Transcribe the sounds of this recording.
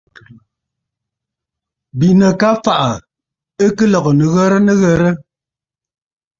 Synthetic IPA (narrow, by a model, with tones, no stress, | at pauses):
bi˨nə˨ka˦fa˨ʔa˨ | ə˦kɨ˦lɔ˨ɣɔ˨nə˨ɣə˦ɾə˦nə˦ɣə˦ɾə˦